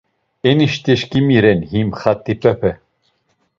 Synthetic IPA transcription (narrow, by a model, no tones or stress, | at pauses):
ɛniʃt̪iʃkimiɾɛnhimχat̪ʼːipʼɛpʰɛ